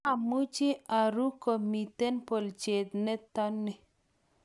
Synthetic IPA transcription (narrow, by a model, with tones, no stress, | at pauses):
a˨mu˦t͡ʃi˦a˨ɾu˦ko˨mi˨t̪e˦npo˨lt͡ʃe˨d̪̚nɛ˦t̪a˦nːi˨